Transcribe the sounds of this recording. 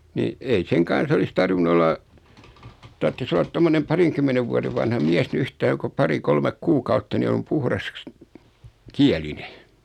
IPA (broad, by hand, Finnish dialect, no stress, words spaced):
ni ei seŋ kɑn̞s olis tɑrʋinu olˑɑ tɑrtːis olːɑt tomːonem pɑriŋkymːeneʋ ʋuɑɾeʋ ʋɑnhɑ miæs ni yhtɑikɑ ko pɑri kolmek kuːkɑutːɑ ni om puhrɑs kiæline